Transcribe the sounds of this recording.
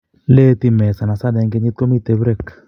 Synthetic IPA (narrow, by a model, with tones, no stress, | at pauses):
le˦t̪i˧mɛ˨sa˨na˨sa˦dɛ˨˧ŋɡe˧ni˦tko˦mi˦˧t̪e˨˦bɾe˦˨k